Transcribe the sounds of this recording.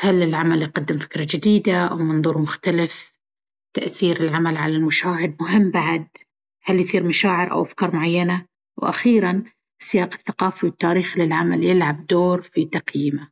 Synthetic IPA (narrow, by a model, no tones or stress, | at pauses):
halːɪlʕamaljqad̪ːɪmfɪ̥kɾˤɑd͡ʒɪd̪iːd̪aʔa̰wmɑnðˤuːɾmʊxt̪alɪf | t̪aʔθiːɾɪlʕamalʕalalmʊʃaːhɪd̪̚mʊɦɪmːbaʕd̪̚ | haljθˤiːɾmaʃaːʕɪɾʔa̰wʔafkɑːɾˤmʊʕajːana | wʔa̰xiːɾan | sɪjaːqɪ̥θːaqɑːfiwɪt̪ːaːɾiːxlɪlʕamaljɪlʕab̚d̪oːɾfit̪aqjɪma